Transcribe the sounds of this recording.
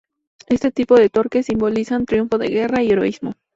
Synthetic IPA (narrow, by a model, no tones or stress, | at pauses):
e̞st̪e̞t̪ipo̞ðet̪o̞ɾke̞sːimbo̞lisant̪ɾjuɱfo̞ðe̞̰ɣe̞raie̞ɾo̞̰izmo